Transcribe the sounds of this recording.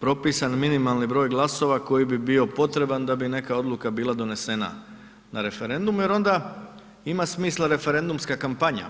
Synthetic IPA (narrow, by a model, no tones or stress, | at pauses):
pɾo̞piːsanminimalˠnibɾo̞ːjɡlˠaso̞ʋako̞jibibio̞po̞t̪ɾe̞band̪abine̞kao̞d̪lukabiːlˠad̪o̞ne̞se̞na̰ | naɾe̞fe̞ɾe̞nd̪umuje̞ɾo̞nd̪a | imasmiːslˠaɾe̞fe̞ɾe̞nd̪umskakampaɲa̰